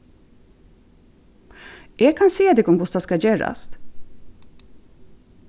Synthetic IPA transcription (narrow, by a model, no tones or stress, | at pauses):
eːɡ̚kʰɑnseːd̪ɛkɔmɡʊst̪ɑskɑd͡ʒeːɾɑ̰st̪